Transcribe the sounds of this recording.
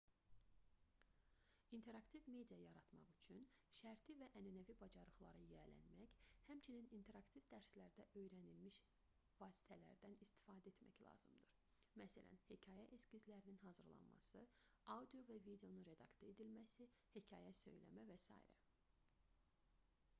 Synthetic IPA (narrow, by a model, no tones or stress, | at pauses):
int̪ʰe̞ɾɑkt̪ʰivme̞d̪ijɑjɑɾɑt̪mɑ̰χyt͡ʃʰynʃæɾt̪ʰivæʔænænævibɑd͡ʒɑɾɯχlˠɑɾɯjælæ̰nmæçhæmt͡ʃʰininint̪ʰe̞ɾɑkt̪ʰivd̪æɾslæɾd̪æʔø̞jɾænilmiʃ | vɑːsi̥t̪ʰælæ̰ɾd̪ænist̪i̥fɑːd̪æet̪mæçlˠɑ̰ːz̥ɯmd̪ɯɾ | mæsæ̰lʔæ̰nhecʰɑːjæʔescizlæɾininɦɑzɯɾlˠɑ̰nmɑ̰sɯ | ɑwd̪ijo̞vævid̪eo̞nunɾe̞d̪ɑkt̪ʰoe̞d̪ilmæsihecʰɑːjæsø̞̰jlæ̰mævæsɑ̰ːḭɾæ̰